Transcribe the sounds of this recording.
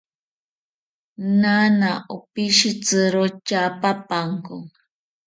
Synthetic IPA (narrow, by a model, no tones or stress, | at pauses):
nanaʔopiʃit͡sɨɾot͡ʃapapaŋkoŋ